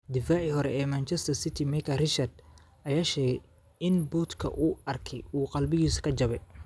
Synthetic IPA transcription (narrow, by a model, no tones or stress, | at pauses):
d̪ɪfaːʕiɦɔɾɛ̰ʔɛːmant͡ʃɛst̪ʰɐrsɪt̪ʰimɛkʰɐrɪt͡ʃɐrd̪ | ʔɐjaːʃɛːɡɛj | ɪnbuːt̪kʰɐ̰ʔuːɐrkʰɛjuːqɑlbɪɣiːskʰɐd͡ʒɐβɛ